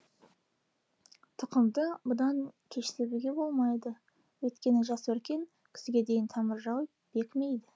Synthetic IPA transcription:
t̪ʰʊqəmd̪əbʊd̪ɑŋkʲʰe̞ʃt̪ebuɡʲe̞bo̞lˠmɑjd̪ə | wɵt̪kʲe̞nɪʒɑswɵɾkʲe̞ŋ | kʲʰɪ̥sɪɡʲe̞d̪e̞jɪnt̪ʰɑməɾʒɑw | b̥e̞kʲme̞jd̪ɪ

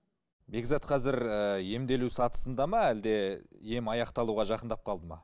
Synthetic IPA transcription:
be̞ɡzɑt̪̚qʰɑzɪɾəje̞md̪e̞lusɑt̪ə̥sənd̪ɑmɑæld̪e̞je̞mɑjɑqt̪ɑlˠuʁɑʒɑqənd̪ɑp̚qʰɑlˠd̪əmɑ̰

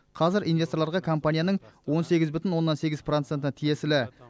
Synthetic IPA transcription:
qʰɑzɪɾʔijnvʲe̞st̪oɾlˠɑɾʁɑkʰo̞mpanʲijanəɴwo̞nse̞ɡʲɪzbʏt̪ʲɪnwo̞nːɑnse̞ɡʲɪzprot̪se̞nt̪t̪ʰije̞sɪlɪ

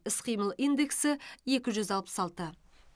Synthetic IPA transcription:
ɪsqʰijməlˠind̪e̞ksɪe̞kʲɪʒʏzɑlˠpə̥sɑlˠt̪ə

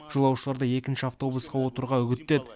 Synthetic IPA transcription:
ʒ̥olˠɑwʃəlˠɑɾd̪əe̞kʲɪnʃɪaft̪o̞busqɑwo̞t̪əɾʁɑʏɡʲɪt̪ːed̪

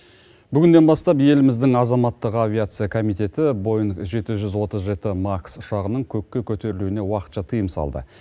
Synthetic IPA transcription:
bʏɡʲɪnd̪e̞nbɑst̪ɑp̬je̞lɪmɪzd̪ɪŋɑzɑmɑt̪ːəqavʲiat̪sɨjakʰo̞mijt̪e̞t̪ɪbo̞jəɴʒe̞t̪ɪʒʏzwo̞t̪əzʒe̞t̪ɪmaksʊʃɑʁənəɴkʲʰɵkʲːe̞kʲʰɵt̪e̞ɾɪluɪne̞wɑqə̥t̪ʃɑt̪ʰijəmsɑ̰lˠd̪ə̰

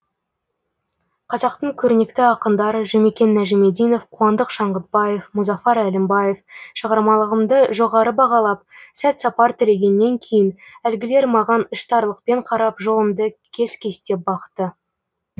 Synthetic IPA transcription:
qʰɑzɑqt̪əɴkʲʰɵɾne̞kt̪ɪɑqənd̪ɑɾəʒɵme̞kʲe̞nːæʒeme̞d̪ijno̞fqʰuɑnd̪əqʃɑɴʁət̪̚bɑje̞fmuzɑfɑɾælɪmbɑje̞fʃəʁɑɾmɑlˠəʁəmd̪əʒo̞ʁɑɾəbɑʁɑlˠɑp̚sæt̪sɑpɑɾt̪ʰɪle̞ɡʲe̞nːe̞ŋkʲʰe̞jɪnælɡʲɪle̞ɾmɑʁɑnəʃt̪ɑɾlˠəq̚pe̞ɴqʰɑɾɑpʒo̞lˠəmd̪əkʲʰe̞zkʲʰe̞st̪e̞p̚bɑqt̪ə

